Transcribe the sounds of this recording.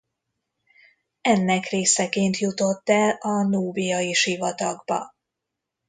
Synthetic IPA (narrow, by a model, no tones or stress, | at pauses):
ɛnːɛkreːsɛkeːnt̪jut̪o̞t̪ːɛlɒnuːbijɒiʃivɒt̪ɒɡbɒ̰